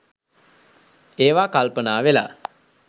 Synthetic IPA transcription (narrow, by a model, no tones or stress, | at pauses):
eːʋaːkalpənaːʋela̰